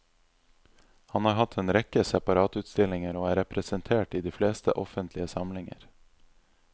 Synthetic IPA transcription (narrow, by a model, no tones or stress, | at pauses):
hɑnhɑːɾɦɑt̪ʰeːnɾɛkəsɛpɑɾɑːt̪ʉːt̪st̪ɪlɪŋəɾoːæːɾɛpɾəsənt̪ʰeːʈiːd̪iːfleːst̪ə̰ʔɔfənt̪ʰlɪəsɑmlɪŋə̰ɾ